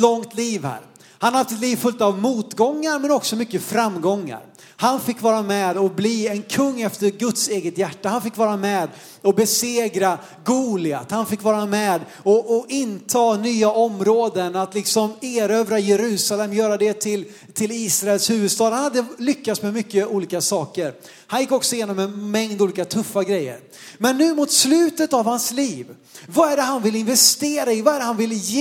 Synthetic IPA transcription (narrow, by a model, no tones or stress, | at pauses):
lɔŋt̪liːvhæ̰ːɾ | hanaɾhaft̪ɛt̪liːvfɵlt̪avmuːt̪ɡɔŋːaɾmɛnɔksɔmʏkːəfɾamːɡɔŋːa̰ɾ | hanfɪkːvɑːɾamɛːd̪ɔbliːɛnkʰɵŋːɛft̪əɾɡɵt̪seːɡət̪jæʈːahanfɪkːvɑːɾamɛːd̪ | ɔbɛseːɡɾa | ɡuːlɪa̰t̪hanfɪkːvɑːɾamɛːd̪ | ɔʔɔʔɪnt̪ʰɑːnyːaʔɔmɾoːd̪ənat̪lɪksɔmeːɾøːvɾajɛɾʉ̟ːsalɛmːjœːɾad̪ɛt̪ʰɪl | t̪ʰɪliːsɾaɛlshʉ̟ːvɵd̪st̪ɑːd̪hanhad̪ːəlʏkːat̪smɛmʏkːəuːliːkasɑːkəɾ | hanjɪkːɔksɔjeːnɔmɛnmɛŋd̪uːliːkat̪ʰɵfːaɡɾɛjːə̰ɾ | mɛnːʉ̟ːmut̪slʉ̟ːt̪ət̪avhansliːv | vaæɖɛɦanvɪlɪnvɛst̪eːɾaɪvaɛɖɛhanvɪlje